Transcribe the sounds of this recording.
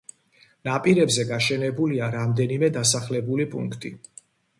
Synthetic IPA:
napʼiɾɛbzɛɡaʃɛnɛbuliaɾamd̪ɛnimɛd̪asaχlɛbulipʼṵŋkʰt̪ʼi

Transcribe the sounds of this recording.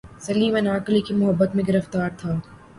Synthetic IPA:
sɐliːmɛnaːklikimʊɦəbːət̪mẽɡɪɾəft̪aːɾt̪ʰaː

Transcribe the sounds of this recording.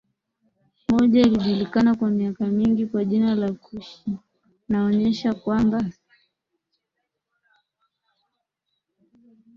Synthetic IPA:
mɔʄailiʄulikanakwamiakamiŋɡikwaʄinalakuʃi | naɔɲɛʃakwamba

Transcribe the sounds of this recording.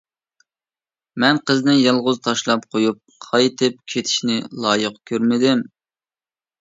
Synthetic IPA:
mɛnqʰəznɪjɑlˠʁʊzt̪ʰɑʃlˠɑp̚qʰojup̚qʰɑjt̪ʰɨp̚kʲʰet̪ʰɪ̥ʃnɪlˠɑːjəqkʲʰøɾmɪd̪ɪm

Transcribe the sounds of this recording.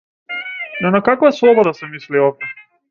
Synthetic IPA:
d̪anakakvaslˠɔbɔd̪asɛmisliɔft̪ɛ

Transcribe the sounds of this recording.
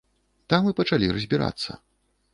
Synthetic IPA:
t̪amɨpɐt͡ʂalʲirɐzʲbʲiɾa̰t̪sːɐ̰

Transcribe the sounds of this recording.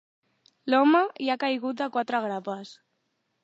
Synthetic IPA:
lɔməjakajɣut̪əkwat̪ɾəɣ̞ɾapəs

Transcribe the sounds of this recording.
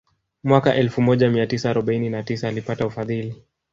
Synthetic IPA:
mwakaʔɛlfumɔʄamiatisaːɾɔɓaininatisaːlipataufaðili

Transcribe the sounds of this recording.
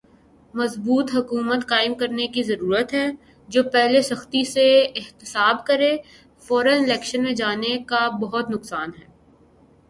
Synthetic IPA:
mɐzbuːt̪ɦɐkuːmət̪kaːɪmkɐɾnekizɐɾuːɾət̪ɦɛː | d͡ʒoːpɛɦlesɐxt̪iseɪxt̪ɪsaːbkɐɾe | fɔːɾənɪlɛːkʃənmẽd͡ʒaːnekabɐɦʊt̪nʊksaːnɦɛː

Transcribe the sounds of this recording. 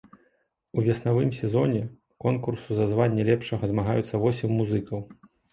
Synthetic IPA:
uvʲɛsnavɨmsʲɛzɔnʲɛ | kɔnkursuzɐzvanʲːɐlʲɛpʂɐɣɐzmaɣajut̪sːɐvɔsʲɛmːuzɨkɐw

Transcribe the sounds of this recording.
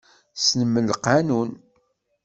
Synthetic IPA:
snəmːəlqːɑnun

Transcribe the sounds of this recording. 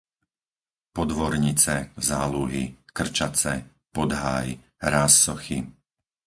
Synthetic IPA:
pɔd̪ʋɔɾɲit͡sɛzaːluɦikr̩t͡ʃat͡sɛ | pɔd̪ɦa̰ːj | ɾaːsːɔxḭ

